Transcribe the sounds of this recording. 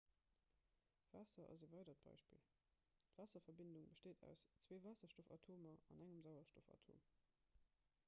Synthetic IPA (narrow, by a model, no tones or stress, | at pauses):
v̥aːsɐʔɑ̰zevɑɪdɐt̚b̥ɑ̰ɪʃpḭl | tvaːsɐfɐbɪnduŋbəʃteːdæ̰ʊst͡sweːvaːsɐʃtofɑ̰tʰoːmɐɑnæŋəmzaʊɐʃtofɑ̰tʰo̰ːm